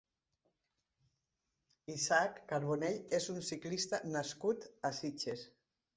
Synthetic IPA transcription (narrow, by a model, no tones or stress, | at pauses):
isakːaɾβoneʎezunsiklist̪anaskut̪asit͡ʃes